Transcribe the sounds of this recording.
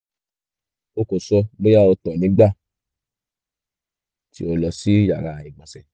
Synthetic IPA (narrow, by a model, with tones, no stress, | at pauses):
o˦ko˨sɔ˧ɡ͡be˦ja˦˨o˧tɔ˨nĩ˨˦ɡ͡ba˦˨ | tḭ˦o˧lɔ˨si˦ja˨ɾa˧i˨ɡ͡ba˨sɛ˨